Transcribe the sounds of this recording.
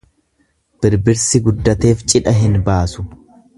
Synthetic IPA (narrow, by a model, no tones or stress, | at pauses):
b̥ɪɾbɪɾsɪɡʊd̪ːɐt̪e̞ːft͡ʃʼɪᶑɐɦɪnbaːsʊ̥